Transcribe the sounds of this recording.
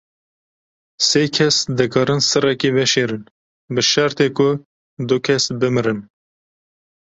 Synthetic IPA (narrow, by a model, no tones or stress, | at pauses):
seːkʰɛsd̪ɨkʰɑːɾɨnsɨrɛkivɛʃeːɾɨn | bɨʃɛɾt̪eːkʊ | d̪ʊkʰɛsbɨmɨɾɨn